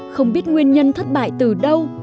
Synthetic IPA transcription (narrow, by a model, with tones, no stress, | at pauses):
xə˧wŋ͡mɓi˦˥ət̚ŋwi˧ənɲə˧nt̪ʰə˦˥t̚ɓa̰ː˧˨jt̪ɨ˨˩ɗə˧w